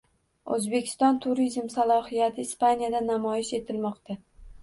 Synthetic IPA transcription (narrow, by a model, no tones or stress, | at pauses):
ɵzbekʲʰɪ̥st̪ɒnt̪ʰʊɾizmsalˠɒhijat̪ʰɪːspʰanijad̪anamɒjɪʃe̞t̪ʰɪlmɒqt̪a